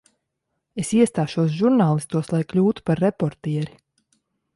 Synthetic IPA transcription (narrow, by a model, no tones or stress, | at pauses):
esiɛst̪aːʃuɔsʒuɾnaːlˠist̪uɔslˠajklʲuːt̪u̥paɾːepɔɾt̪iɛɾi